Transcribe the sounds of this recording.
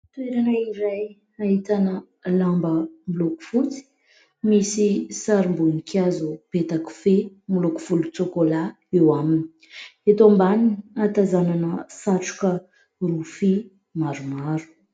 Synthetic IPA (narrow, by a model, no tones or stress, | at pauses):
t̪ueɾanəiɾaj | aɦit̪anə | lambəmuloku̥fut͡si̥ | misisaɾimbunikʲʰazupet̪aku̥fe | muloku̥fulut͡sokola | ewaminii̥ | et̪ombaninat̪azananəsaʈ͡ʂu̥kə | rufi | maɾumaɾu̥